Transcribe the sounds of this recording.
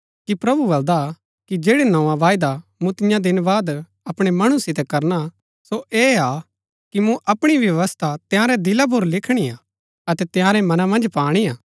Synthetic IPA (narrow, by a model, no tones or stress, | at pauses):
kipɾɐbubɐld̪a | kid͡ʒeːɽenɐ̃ãʋaːjd̪amũt̪ɪjãd̪ɪnbaːd̪ | ɐpɽ̃emɐɽ̃ũsɪt̪ɛkɐɾna | soʔeːa | kimũʔɐpɽ̃iʋjɐʋəst̪ʰat̪jãːɾɛd̪ɪlabʱʊɾlɪkʰɽ̃ia | ɐt̪ɛt̪jãːɾɛmɐnamɐ̃nd͡ʒpaːɽ̃iaː